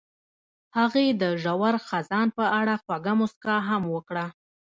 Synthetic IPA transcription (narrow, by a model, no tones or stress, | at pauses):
haɣed̪əʒawaɾxazɑnpəaɽaxwaɡamʊskɑɦamwəkɽa